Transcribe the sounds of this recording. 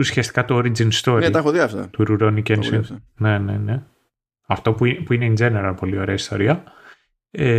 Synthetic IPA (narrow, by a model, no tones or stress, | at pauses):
usçiɐst̪i̥kɐt̪uoɾid͡zinst̪o̞ɾt̪ɐxoðiɐft̪ɐ̰t̪uɾuɾonicensine̞nene̞ | ɐft̪o̞puipuineind͡zeneɾɐpo̞lio̞ɾe̞ɐist̪o̞ɾiɐ | e